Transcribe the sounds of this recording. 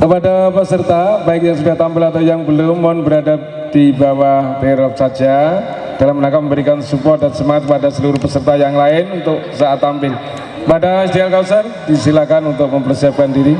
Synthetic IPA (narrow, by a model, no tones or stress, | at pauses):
kəpadapəsərt̪abaɪk̚ɲaŋsudaht̪ampɪlat̪awjaŋbəlʊmːɔnbəɾadap̚ | d̥ibawaht̪eɾɔp̚sad͡ʒa | d̥alamənakaməmbəɾikansupɔt̪̚dansəmaŋat̪̚padasəluɾʊhpəsərt̪ajaŋlaɪnunt̪ʊk̚saʔat̪ampɪl | padaist̪ialkawsardisilakanunt̪ʊk̚məmpərsiap̚kandiɾi